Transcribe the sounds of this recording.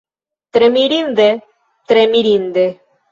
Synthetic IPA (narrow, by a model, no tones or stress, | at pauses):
t̪ɾemiɾind̪e | t̪ɾemiɾind̪e